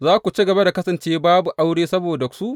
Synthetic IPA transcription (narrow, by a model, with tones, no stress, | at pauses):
zaː˦kʷu˨t͡ʃi˦ɡɐ˨ba˦da˨kɐ˦sɐ˨nt͡ʃeː˦baː˦bu˨ʔa˦wɽeː˦sɐ˦boː˨dɐ˨ksu˦ʔ